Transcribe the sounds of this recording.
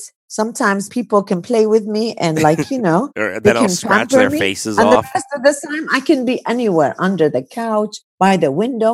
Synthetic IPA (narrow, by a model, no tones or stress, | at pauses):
sʌ̃mtʰãɪ̃mz̥pʰipl̩ˠkʰɨ̃npʰl̥eɪwɪðmiʔɨ̃nlaɪkʰjɨnoʊðeɪkɨ̃npʰæ̃mpə˞miszəɛstʌvðɪstʰãɪ̃maɪkɨ̃nbiʔɛniwɛɹʔʌ̃ndə˞ðɨkʰaʊt͡ʃ | b̥aɪðɨwɪ̃ndoʊ